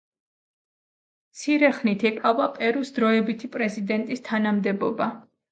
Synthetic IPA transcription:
t̪sʰiɾɛχnit̪ʰɛqʼavapʼɛɾusd̪ɾɔɛbit̪ʰipʼɾɛzid̪ɛnt̪ʼist̪ʰanamd̪ɛbɔba

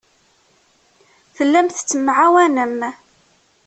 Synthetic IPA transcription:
θəlːæmθət͡sːəmʕawænəm

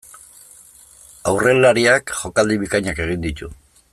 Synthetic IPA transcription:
awre̞laɾiakʝo̞kald̪iβikajɲake̞ɣ̞ind̪it̪u

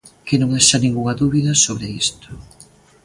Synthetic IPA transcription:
kenõŋaʃanĩŋɡuŋɐðuβiðɐsoβɾeist̪o̥

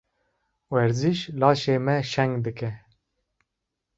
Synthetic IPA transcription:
wɛɾziʃlɑːʃeːmɛʃɛŋɡd̪ɨkɛ

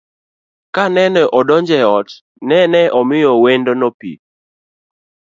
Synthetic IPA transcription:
kanɛnɛʔɔdɔnd͡ʒɛɔt | nɛnɛʔɔmɪjɔwendonɔpḭ

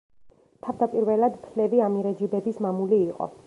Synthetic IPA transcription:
t̪ʰavd̪apʼiɾvɛlad̪pʰlɛviamiɾad͡ʒibɛbismamuliːqʼɔ̰

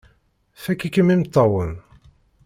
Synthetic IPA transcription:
θækːikːəmimt̪ːɑwən

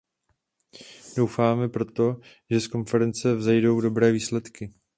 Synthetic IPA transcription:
do̞wfaːmɛpɾo̞t̪o̞ | ʒɛsko̞nfɛɾɛnt͡sɛvzɛjdo̞wdo̞bɾɛːviːslɛt̪kɪ

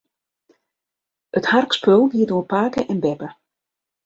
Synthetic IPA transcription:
ətharkspølˠʋiːdoːpaːkəʔɛnbɛpə

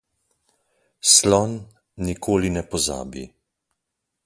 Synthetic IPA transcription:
slɔnː | ikʰoːlinɛpɔza̰ːbi

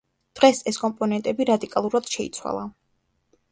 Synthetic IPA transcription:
d̪̥ʁɛsɛskʼɔmpʼɔnɛnt̪ʼɛbiɾad̪ikʼalˠuɾad̪̥ʃɛḭt̪sʰwa̰lˠa

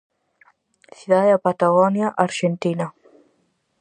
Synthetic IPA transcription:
θiðaeapat̪aɣɔnjaʔaɾʃent̪ina

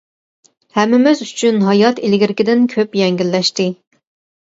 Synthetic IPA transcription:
hɛmːɪmɪzyt͡ʃʰynɦɑjɑt̪ilɡʲiɾɪkʲɪd̪ɪnkʲʰøpjɛŋɡʲilːɛʃt̪ɪ

